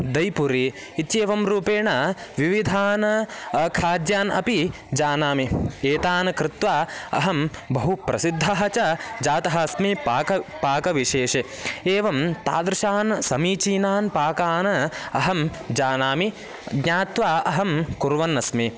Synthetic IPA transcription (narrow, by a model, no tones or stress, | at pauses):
d̪ɐjpuɾiː | t̪jeːʋɐmɾuːpeːɳɐʋiʋid̪ʱaːnɐɐkʰaːd̪jaːnɐ̰pi | d͡ʒaːnaːmieːt̪aːnɐkɾɪt̪ʋaːɐ̰ɦɐmbɐɦupɾɐsid̪ʱːɐɦɐt͡ʃɐd͡ʒaːt̪ɐɦɐɐsmipaːkɐpaːkɐʋiʃeːʃe | eːʋɐmt̪a̰ːd̪ɾɪʃaːnsɐmiːt͡ʃiːnaːnpaːkaːnɐɐɦɐmd͡ʒaːnaːmi | ɡɲaːt̪ʋaːʔɐɦɐmkuɾʋɐnɐsmi